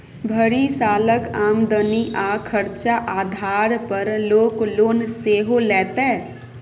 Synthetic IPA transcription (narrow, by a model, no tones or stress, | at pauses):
bʱəɾisaːləkaːmd̪əniʔaːkʰəɾt͡ʃaʔaːd̪ʱaːɾpəɾloːkloːnseːɦolɛːt̪e